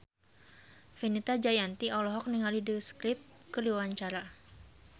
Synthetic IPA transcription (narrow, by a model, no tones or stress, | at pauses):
finit̪ad͡ʒajant̪iɔlɔɦɔk̚niŋalidəsklɪp̚kəliwaɲt͡ʃaɾa